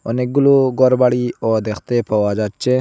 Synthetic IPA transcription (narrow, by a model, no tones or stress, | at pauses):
ɔ̰neɡuluɡɔɾbaɽiɔd̪ekʰt̪epʰɐwad͡ʒat͡ʃe